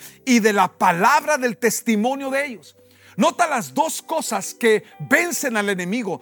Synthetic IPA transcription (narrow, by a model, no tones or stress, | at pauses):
iðe̞lapalaβɾaðe̞lt̪e̞st̪imõ̞njo̞ðeeʝo̞s | no̞t̪alazd̪o̞sko̞saske̞βe̞nse̞nale̞nẽ̞miɣo